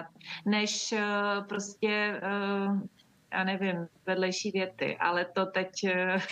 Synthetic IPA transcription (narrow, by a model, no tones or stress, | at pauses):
t̪̚nɛʃpɾoscɛ | ja̰ːnɛvɪmvɛdlɛjʃiːvjɛt̪ɪ̰ʔa̰lɛt̪ot̪ɛc